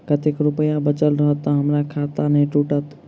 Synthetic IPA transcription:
kət̪ekɾʊpəjãbət͡ʃəlɾəɦət̪ːɔɦəmɾakʰaːt̪anẽʈuʈət̪

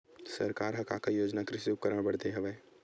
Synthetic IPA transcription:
sɐɾkaːɾɦɐka̰kajoːd͡ʒnakɾɪsuːkɐɾabɐɽd̪eɦɛʋɛ

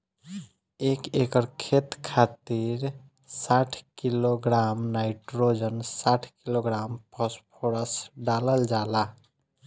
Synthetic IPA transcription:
ekekəɾkʰet̪kʰat̪iɾ | saʈʰkiloɡɾamnaɪʈɾod͡ʒənsaʈʰkiloɡɾampʰəspʰoɾəsɖaləld͡ʒala

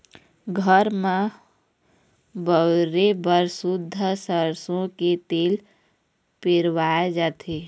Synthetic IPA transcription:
ɡʱəɾmã | bəɾebəɾsʊd̪ʱːəsəɾsõket̪eːl | peɾwaed͡ʒaːt̪ʰe

